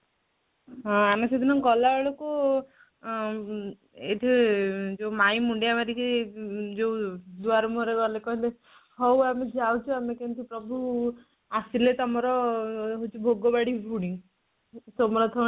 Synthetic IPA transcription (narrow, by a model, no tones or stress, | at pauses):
ɦɔ̃amesed̪ʱinɔŋɡɔlaɔɭoku | ḛʈʰid͡ʒewmajmuɳɖijamaɾikʰid͡ʒewd̪uaɾɔmuɔɾeɡɔlekɔɦile | ɦɔwamed͡ʒawt͡ʃʰɔamekent̪ipɾɔbʱu | asilet̪ɔmɔɾɔɦot͡ʃʰibʱoɡɔbaɽibuɽiŋ | sɔmɔɾɔt̪ʰɔ